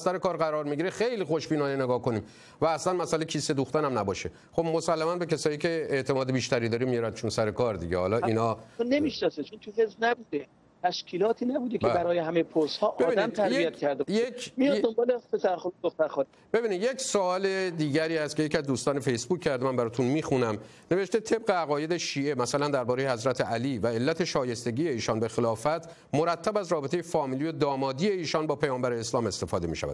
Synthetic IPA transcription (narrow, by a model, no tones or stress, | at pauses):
sæɾekɒːɾɡæɾɒːɾmiɟiɾexe̞jliːxo̞ʃbiːnɒːnene̞ɡɒːhko̞niːm | væːslænmæsælecʰiːsed̪uxt̪ænæmnæbɒːʃe | xobmo̞sælːæmænbecʰæsɒːjiːcʰe̞eʔt̪ʰe̞mɒːd̪ebiːʃt̪æɾiːd̪ɒːɾimːijɒɾæd̪t͡ʃʰonsæɾe̞kɒːɾd̪ḭɟḛhɒ̰ːlɒːiːnɒːonemiʃnɒset͡ʃʰont̪ʰuɦezbnæbuːd̪e | t̪ʰæʃkʰiːlɒːt̪ʰiːnæbuːd̪ecbebæɾɒːjeɦæmejepʰoshɒːʔbːiːdiæmt̪ʰæɾjijæt̪̚kʲʰæɾd̪ejemijɒd̪ombɒːlepʰesæɾxonud̪oxt̪æɾxɔːn | b̥e̞biːnid̪je̞csoɒːled̪iːɟæɾiːhæst̪kʰʲe̞jecʰiæzd̪uːst̪ɒːne̞fejsbuːcʰcʰæɾd̪emænbæɾɒːt̪ʰunmiːxunæm | ne̞veʃt̪e̞t̪ʰe̞b̚ɣe̞æɣɒːje̞d̪eʃiːe̞mæsælænd̪æɾbɒːɾejehæzɾæt̪ʰeʔæliːvæe̞lːæt̪ʰe̞ʃɒːje̞st̪e̞ɟiːje̞iːʃɒnbe̞xelɒːfæt̪ʰ | mo̞ɾæt̪ʰːæbæzɾɒːbet̪ʰe̞je̞fɒːmiːliːjod̪ɒːmɒːd̪ije̞iːʃɒːnbɒːpʰejɒːmbæɾeːslɒːme̞st̪e̞fɒːd̪emḭːʃæ̰væ̰d̪